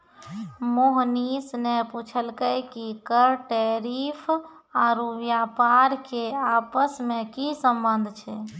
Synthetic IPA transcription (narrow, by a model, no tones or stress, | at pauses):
moɦnisneput͡ʃʰəlkəjkikəɾʈeɾipʰ | aɾuʋjapaɾkeapəsmekisəmbənd̪ʱt͡ʃʰɛ